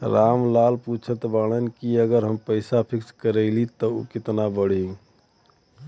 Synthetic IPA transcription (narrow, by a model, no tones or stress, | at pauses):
ɾamlalput͡ʃʰət̪balənkiəɡəɾɦəmpəɪsapʰikskəɾɛlit̪ɔo̰kɪt̪nabəɽɦi